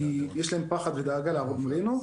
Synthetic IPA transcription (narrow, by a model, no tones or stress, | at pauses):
ijeʃlaempaχad̪ved̪aːɡaleavodmolenu